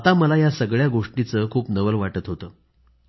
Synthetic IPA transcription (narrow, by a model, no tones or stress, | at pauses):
at̪aməlajasəɡɭjaɡoʂʈit͡səːkʰuːpnəʋəlʋaʈət̪ɦot̪əː